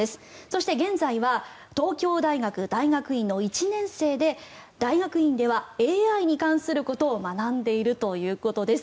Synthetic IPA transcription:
e̞sɨ̥so̞ɕi̥t̪e̞ɡẽ̞nzaiβa | t̪o̞ːkʲo̞ːd̪aiɡakɯ̟d̪aiɡakɯ̟ĩnːo̞it͡ɕinẽ̞ɰ̃se̞ːd̪e̞ | d̪̥aiɡakɯ̟ĩnd̪e̞β̞ae̞ːaiɲ̟ikãɰ̃sɨɾɯ̟ko̞t̪o̞ːmanãnd̪e̞iɾɯ̟t̪o̞jɯ̟ːko̞t̪o̞d̪e̞sɨ̥

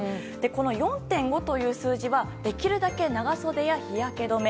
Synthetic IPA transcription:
d̪̥e̞ko̞no̞jõ̞nt̪ẽ̞ŋɡo̞t̪o̞jɯ̟ːsɨːʑiβad̪̥e̞kʲiɾɯ̟d̪ake̞naɡaso̞d̪e̞jaçijake̞d̪o̞me

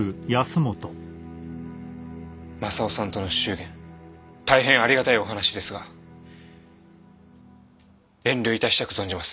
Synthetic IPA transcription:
ɯ̟jasɨmo̞t̪o | masaosãnt̪o̞no̞ɕɨːɡẽ̞nt̪aiɦẽ̞ɰ̃aɾʲiɡat̪aio̞ɦanaɕid̪e̞sɨɡa | ẽ̞nɾʲɨːit̪aɕi̥t̪akɯ̟zoɲd͡ʑimasɨ̥

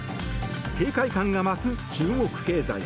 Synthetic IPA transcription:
ke̞ːkaikãŋɡamasɨt͡ɕɨːŋɡo̞kɯ̟̥ke̞ːza̰i

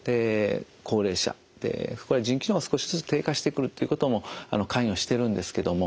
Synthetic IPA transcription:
d̪̥e̞ | kʰo̞ːɾe̞ːɕa̰ | d̪̥e̞̰ko̞ɾed͡ʑĩŋkʲinoːosɨ̥ko̞ɕi̥zɨt͡sɨ̥t̪e̞ːkaɕi̥t̪ekɯ̟ɾɯ̟t̪ːeiɯ̟kot̪o̞mo̞a̰no̞kʰãĩo̞ɕi̥t̪e̞ɾɯ̟̃nd̪e̞sɨ̥ke̞d̪o̞mo̞

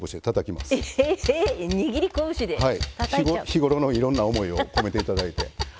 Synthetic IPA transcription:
boɕid̪et̪at̪akʲima̰sɨ | ɲiɡʲiɾʲikõɕid̪ehait̪açiɡçiɡo̞ɾo̞noiɾõ̞nːaomo̞io̞kome̞t̪e̞it̪ad̪ait̪e̞

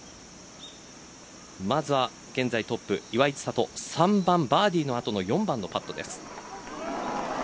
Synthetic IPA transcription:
mazɨβa | ɡ̥ẽ̞nd͡zait̪o̞pːɯ̟̰iβait͡sɨ̥sat̪o̞̰sãmbãmbaːd̪ʲiːno̞at̪o̞no̞jõ̞mbãnːo̞pat̪ːo̞d̪e̞sɨ̥

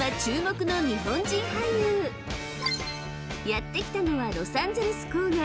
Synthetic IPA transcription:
at͡ɕɨːmo̞kɯ̟no̞ɲ̟iɦõ̞ɲd͡ʑĩŋhaijɯː | jat̪ːe̞kʲi̥t̪ano̞βaɾo̞sãnzoɾɯsɨ̥kɯːɡa

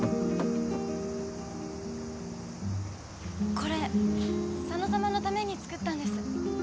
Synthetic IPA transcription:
ko̞ɾe̞ | sanozamano̞t̪ame̞ɲ̟it͡sɨ̥kɯ̟t̪ːãnd̪e̞sɨ̥

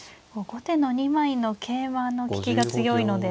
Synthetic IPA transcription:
oɡo̞t̪e̞no̞ɲ̟imaino̞kʰe̞ːmano̞kʲi̥kʲiɡat͡sɨjo̞ino̞d̪e̞

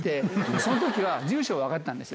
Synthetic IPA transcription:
t̪eso̞not̪okʲiβad͡ʑɨːɕo̞ːβakat̪eːãnd̪e̞sɨ

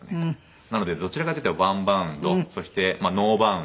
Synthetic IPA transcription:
ne | nano̞d̪e̞d̪o̞t͡ɕiɾakat̪eit̪eaβãmbãnd̪o̞so̞ɕi̥t̪e̞mano̞ːbã

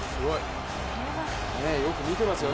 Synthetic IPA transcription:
sɨɡo̞i | nejo̞kɯ̟mʲit̪e̞masɨjo

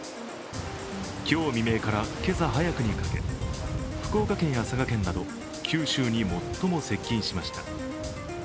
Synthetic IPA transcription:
kʲo̞ːmʲime̞ːkaɾake̞zaɦajakɯ̟ɲ̟ikake̞̰ | ɸɯ̟̥ko̞ːkakẽ̞ɰ̃jasakakẽ̞nːad̪o̞ | kʲʰɨːɕɨːɲ̟imo̞t̪ːo̞mo̞se̞kʲːĩɰ̃ɕimaɕi̥t̪a

